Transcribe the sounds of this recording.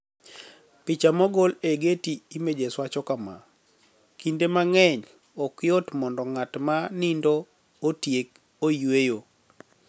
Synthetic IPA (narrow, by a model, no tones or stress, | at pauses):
pɪt͡ʃamɔɡɔleɡetiimed͡ʒeswat͡ʃɔkama̰ | kindemaŋɛɲ | ɔkjɔtmɔndɔŋatmanindɔː | tjek | ojwejo